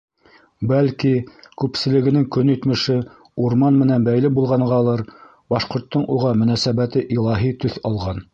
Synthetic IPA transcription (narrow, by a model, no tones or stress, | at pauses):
bælkikʉpsɘ̆lɘ̆ɡɘ̆nɘŋkɵnit̪mɘ̆ʃɘ | uɾmɑnmɘ̆nænbæjlɘbulˠʁɑɴɢɑlˠɤɾ | bɑʃqŏɾt̪ːɤɴʔuʁɑmɵ̆næsæβæt̪ɘʔilˠɑɦit̪ɵθɑlˠʁɑn